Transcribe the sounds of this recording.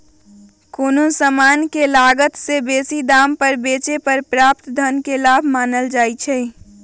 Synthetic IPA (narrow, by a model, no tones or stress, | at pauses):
koːnosəmaːnkelaːɡət̪sebeːsid̪aːmpəɾbeːt͡ʃepəɾpɾaːpt̪d̪ʱənkelaːbʱmaːnəld͡ʒaːit͡ʃʰɛː